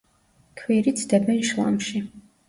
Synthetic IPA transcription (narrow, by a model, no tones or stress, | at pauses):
kʰwiɾid̪sʰd̪ɛbɛnʃlˠa̰mʃi